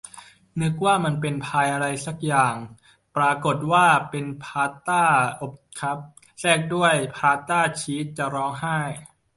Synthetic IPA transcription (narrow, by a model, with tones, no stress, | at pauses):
nɯ˦˥k̚waː˥˩ma˧npe˧npʰaː˧jʔa˧ɾa˧jsa˨˩k̚jaː˨˩ŋ | pɾaː˧ko˨˩t̪̚waː˥˩pe˧npʰaː˧t̪aː˥˩ʔo˨˩p̚kʰa˦˥p̚ | sɛː˥˩k̚du˥˩əjpʰaː˧t̪aː˥˩t͡ɕʰiː˦˥t̪̚t͡ɕa˨˩ɾɔː˦˥ŋɦa˥˩j